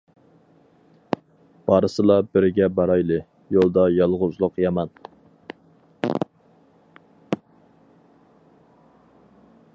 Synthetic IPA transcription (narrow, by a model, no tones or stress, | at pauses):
b̥ɑɾɨsɨlˠɑbɪɾɪɡʲɛbɑɾɑjlˠɨ | jolˠd̪ɑjɑlˠʁʊzlˠʊqjɑmɑn